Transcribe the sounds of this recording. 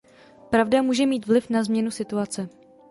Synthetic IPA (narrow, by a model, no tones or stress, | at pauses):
pɾavdamuːʒɛmiːt̪vlɪfnazmɲɛnusɪt̪uat͡sɛ